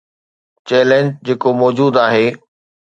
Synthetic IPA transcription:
t͡ɕɛːlẽɲd͡ʑd͡ʑeːkomɔːd͡ʑuːd̪aːɦeː

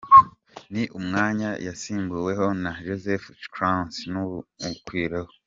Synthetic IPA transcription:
niʔumŋaːɲajasiːmbuwe̞ɦo̞naʒozefkɾansnuukwiːɾeho

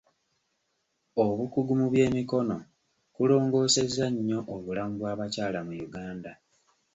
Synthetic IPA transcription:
oβukuɡumuβje̞ːmiko̞no̞ | kulo̞ːŋɡo̞ːse̞zaɲːo̞ʔoβulamuβwaːβacaːlamujuɡaːnda

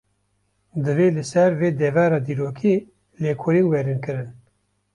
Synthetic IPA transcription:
d̪ɨveːlɨsɛɾveːd̪ɛvɑːɾɑːd̪iːɾoːkʰiː | leːkʰoɾiːnwɛɾinkɨɾɨn

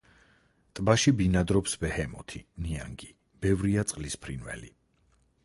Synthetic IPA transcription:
t̪ʼbaʃibinad̪ɾɔpsbɛhɛmɔt̪ʰinia̰ŋɡi | b̥ɛvɾiat̪sʼqʼlispʰɾinvɛ̰lḭ

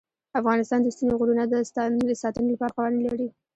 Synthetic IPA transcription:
afɣɑnɪst̪ɑnd̪əst̪inoɣuɾunad̪əsnd̪əsɑt̪ənolapɑɾaqawaɾlaɽi

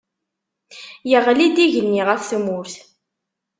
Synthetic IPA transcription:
jəʁlid̪iʝənːiʁəfθmʊɾθ

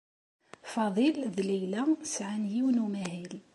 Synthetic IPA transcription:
fɑðˤilðlijlæsʕanjiwnumæhil

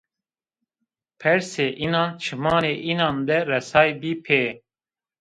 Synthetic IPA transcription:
pʰɛɾseːʔinɑ̃ːnt͡ʃʰimɑːneːʔiːnɑːnd̪ɛɾɛsɑːjbiːpʰeː

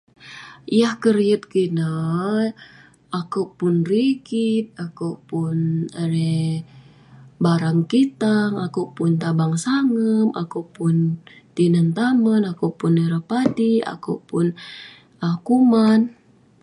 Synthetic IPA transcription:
jahkəɾiət̪̚kina | akupʊnriɡit̪̚akupʊnəɾɛ | baɾaŋkit̪aŋakupʊnt̪abaŋsaŋəmʔa̰kupʊn | t̪inənt̪amənakupunəɾapadia̰kṵpʊn | akuman

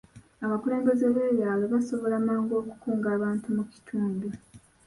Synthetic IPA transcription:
aβakule̞ːŋɡe̞zeβwe̞ːɾjaːweβaso̞βo̞lamaːŋɡo̞ːku̥kuːŋɡaːβaːntumuci̥tʰuːndu

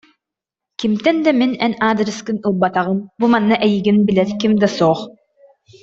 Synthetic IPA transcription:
kimt̪ɛnd̪aminɛnaːd̪ɾiskɯnulˠbat̪aʁɯnbumanːaʔɛjiɡinbilɛɾkimd̪asɔːχ

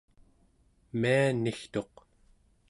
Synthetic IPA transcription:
mianːixt̪o̞q

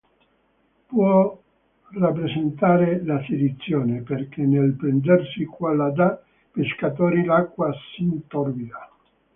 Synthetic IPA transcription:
pwɔ | rapːɾesent̪aːɾelasid̪it̪sːjɔːneperkenːelpɾend̪ersikwalːad̪a | peskat̪̬ɔːɾilakːwasint̪ɔrbid̪a

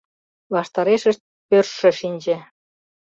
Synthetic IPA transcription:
lɑʃt̪ɑɾeʃə̆ʃt̪̚pørʃːə̆ʃinʲd͡ʑĕ

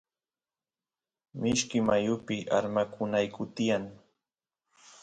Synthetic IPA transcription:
mɪʃkɪmajʊpɪʔaɾmakʰʊnajkʊt̪ɪjaŋ

